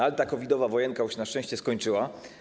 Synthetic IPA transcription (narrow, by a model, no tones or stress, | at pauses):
alt̪akɔvʲid̪ɔvavɔjɛŋkauɕnaʃʂt͡ʂɛ̃w̃ɕt͡ɕɛskɔɲt͡ʂɘwa